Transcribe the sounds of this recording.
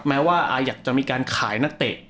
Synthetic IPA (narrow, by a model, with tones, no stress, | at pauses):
p̚mɛː˦˥waː˥˩ʔaː˧jaː˨˩k̚t͡ɕa˨˩ʔmiː˧kaː˧nkʰaː˩˦jna˥˩t̪e˨˩ʔ̚